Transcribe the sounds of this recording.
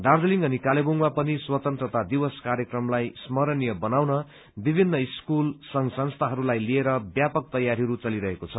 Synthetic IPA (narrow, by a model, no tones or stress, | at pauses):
d̪ard̪ʌliŋɡʌnikaleboŋmapʌniswʌt̪ʌnt̪rʌt̪ad̪iwʌskaɾjʌkrʌmlajsmʌɾʌnijʌbʌnawnʌ | bibʱinːʌiskulsʌŋsʌnst̪ʰaɦʌɾulajlieɾʌbjapʌk̚t̪ʌjaɾiɦʌɾut͡sʌliɾʌɦekot͡sʰʌ